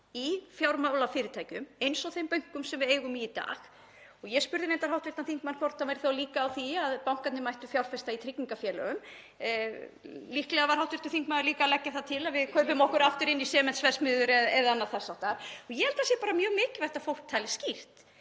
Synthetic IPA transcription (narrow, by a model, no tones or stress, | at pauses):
ifjawɾmawlafɪːɾɪt̪ʰaːjcʏmejnsɔwθejmpœɥjŋ̥kʏmsɛmvɪðeːjɣʏmiːt̪a̰ːx | ɔɣjɛspʏɾðɪnejnt̪aɾ̥ɦawht̪vɪr̥t̪anθiŋk̚mankʰvɔɾ̥t̪avajɾɪθowliːkaːwθiaðpawŋ̥kat̪nɪmajht̪ʏfjawɾ̥fɛst̪ait̪ʰɾiciŋkafjɛːlœ̰ɣʏm | lihklɛɣavaɾ̥hawt̪vɪɾ̥t̪ʏθiŋkmaðʏɾliːkalɛcːaθaðt̪ʰɪlaðvɪðkʰœɾvʏmɔhkʏɾaft̪ʏɾɪnːisɛːmɛnt̪svɛr̥smɪːðʏɾɛðɛðaanːaðθɛsawht̪aɾɔɣjɛhɛlt̪as̬jɛpaːɾamjœːɣmɪːcɪ̥vajht̪afowl̥k̚t̪ʰaːlɪ̥scir̥t̪